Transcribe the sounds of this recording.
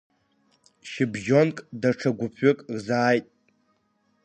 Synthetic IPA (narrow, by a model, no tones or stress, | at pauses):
ʃɪbʒo̞nkʼdaʈ͡ʂʰaɡʷʊpʰʏkʼrzaːjtʼ